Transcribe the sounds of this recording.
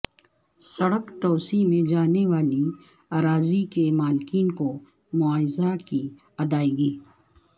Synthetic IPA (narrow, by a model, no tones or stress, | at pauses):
sɐɽəkt̪ɔːsimẽd͡ʒaːneʋaːli | aːɾaːzikemaːlkiːnko | mʊaːjzakiɐd̪aːiɡiː